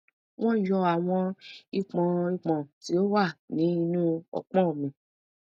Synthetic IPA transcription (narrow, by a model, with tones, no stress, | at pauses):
w̃ɔ̃˦˨˦jɔ˧a˨w̃ɔ̃˧i˧k͡pɔ̃˧i˧k͡pɔ̃˨ti˨˦o˦wa˦˨nĩ˨˦i˧nũ˦ɔ̰˧k͡pɔ̃˦˨mĩ˨